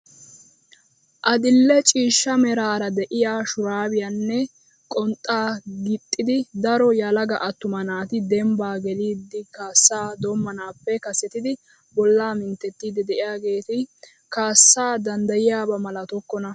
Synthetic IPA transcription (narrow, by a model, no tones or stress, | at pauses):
ʔɐd̪ɪlːɛt͡ʃʼiːʃːɐmɛɾaːɾɐd̪ɛʔɪjaːʃʊɾaːbɪjanːɛ | kʼɔnt̪ʼːaːɡɪt̪ʼːɪd̪ɪd̪ɐɾɔjɐlɐɡɐʔɐt̪ːʊmɐnaːt̪ɪd̪ɛmbaːɡɛliːd̪ːɪkaːsːaːd̪ɔmːɐnaːpːɛkɐsɛt̪ɪd̪ɪ | bɔlːaːmɪnt̪ːɛt̪ːiːd̪ɪd̪ɛʔɪjaːɡe̞ːt̪ɪ | kaːsːaːd̪ɐnd̪ɐjɪjaːbɐmɐlɐt̪ɔkːɔnɐ